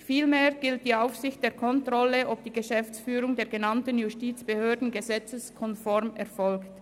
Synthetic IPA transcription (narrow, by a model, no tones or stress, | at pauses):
fiːlmeːʁɡ̥ɪlt̚d̥iːaʊfsɪçt̚d̥eːɐkʰɔntʁɔləʔɔp̚d̥iːɡəʃɛft͡sfyːɾʊŋdeːɐɡenɑntənjustiːt͡sb̥əhøːɐdn̩ɡəzɛt͡səskʰɔnfɔʁmɛʁfɔlkt